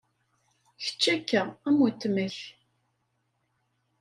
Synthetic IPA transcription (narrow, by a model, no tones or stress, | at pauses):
çə̥t͡ʃːækːææmwæt̪ːməç